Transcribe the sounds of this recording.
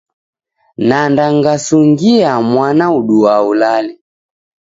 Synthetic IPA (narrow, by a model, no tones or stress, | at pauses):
nandaŋɡasuŋɡiamwanauɗuaulali